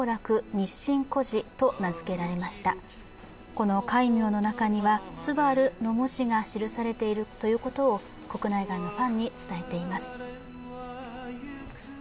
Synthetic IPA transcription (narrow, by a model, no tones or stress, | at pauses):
ɾakɯ̟ɲ̟iɕːĩŋko̞ʑit̪o̞nazɨ̥ke̞ɾaɾe̞maɕi̥t̪a̰ | ko̞no̞kaimʲjo̞ːno̞nakaɲ̟iβasɨbaɾɯ̟no̞moʑiɡaɕiɾɯ̟saɾe̞t̪e̞iɾɯ̟t̪o̞jɯ̟ːko̞t̪o̞ː | ko̞kɯ̟naiɡaino̞ɸãɲ̟ːit͡sɨ̥t̪ae̞t̪e̞imasɨ̥